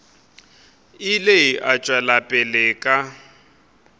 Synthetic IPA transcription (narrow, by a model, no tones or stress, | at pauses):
ɪleiʔat͡ʃʼwɛlapʼɛlɛːkʼa